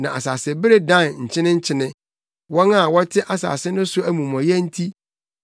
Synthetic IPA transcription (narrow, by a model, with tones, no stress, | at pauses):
nã˨a˨saː˨sɪ˨bɪ˦ɾe˦dã˦˨nɲ̩˨t͡ɕʰɪ̃˦nɪ̃˦ɲ̩˦t͡ɕʰɪ˦nɪ̃˦ | wɔ˦na˦˨wɔ˦tʰɪ˦ʔa˨sa̰ː˨sɪ˦nʊ̃˦sʊ˦æ˦mũ˨m˨ɔ̃˨jɛ˦n̩˦tʰi˦